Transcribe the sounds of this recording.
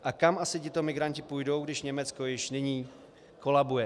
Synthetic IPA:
ʔakamʔasɪcɪt̪o̞mɪɡɾaɲcɪpujdo̞wɡdɪʃɲɛmɛt͡sko̞jɪʃnɪɲiː | ko̞labujɛ

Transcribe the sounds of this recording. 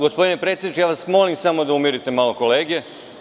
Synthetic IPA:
ɡospod̪inepɾet̪sʲed̪it͡ʃejaːʋasmo̞limsamo̞d̪aumiɾit̪e̞malo̞ko̞leːɡe

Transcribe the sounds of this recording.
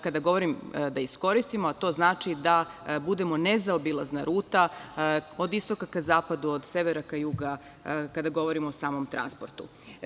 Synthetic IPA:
kad̪aɡo̞ʋo̞ɾimd̪aisko̞ɾist̪imoat̪o̞ːznaːt͡ʃid̪abud̪e̞mo̞ne̞zaobilˠaznaɾuːt̪a | o̞d̪ist̪o̞kakazaːpad̪uod̪se̞ʋeɾakajuɡa | kad̪aɡo̞ʋo̞ɾimoosaːmo̞mt̪ɾa̰nspo̞ɾt̪ṵ

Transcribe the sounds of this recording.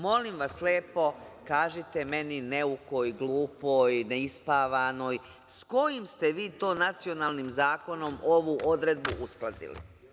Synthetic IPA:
mo̞limʋaslʲeːpo̞kaːʒit̪e̞me̞nineukojɡlˠuːpojneispaːʋano̞ːj | sko̞jimst̪eʋiːt̪oːnat̪sio̞naːlˠnimzaːko̞no̞mo̞ʋuʔo̞d̪ɾe̞d̪̚buʔusklˠad̪ḭlḭ

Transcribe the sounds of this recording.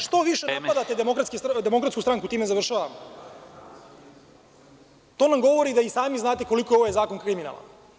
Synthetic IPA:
ʂt̪o̞ʋiʃenapad̪at̪ed̪emokɾat̪skesd̪e̞mo̞kɾat̪skust̪ɾaŋkut̪iːmezaʋr̩ʃaːʋamo | t̪o̞ːnamɡo̞ʋo̞ɾid̪aisaːmiznaːt̪eko̞likooʋojezaːko̞ŋkɾimina̰la̰

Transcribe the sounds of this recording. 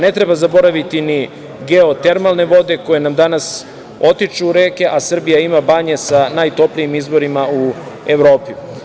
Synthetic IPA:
ne̞t̪ɾe̞bazabo̞ɾaʋit̪ini | ɡe̞o̞t̪e̞ɾmalne̞ʋo̞d̪e̞ko̞je̞namd̪anas | o̞t̪it͡ʃuːɾe̞ːke̞ʔasr̩bijaimabaɲe̞sanajt̪o̞plijimizbo̞ɾimau | e̞ʋɾo̞ːpi

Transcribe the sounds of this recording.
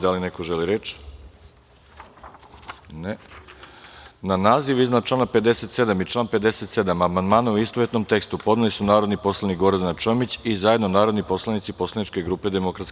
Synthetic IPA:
d̪alinekoʒeliɾet͡ʃ | ne | nanaːziʋiznat͡ʃlˠaːnape̞d̪ese̞t̪se̞d̪amit͡ʃlˠaːnpe̞d̪eset̪se̞d̪amamand̪maːnauist̪oʋet̪no̞mt̪e̞kst̪upo̞d̪nelisunaːɾo̞d̪nipo̞slˠanikɡo̞ɾd̪anat͡ʃomit͡ɕizajed̪nonaːɾo̞d̪nipo̞slˠanit̪sipo̞slˠanit͡ʃke̞ɡɾuːpe̞d̪e̞mo̞kɾat̪sk

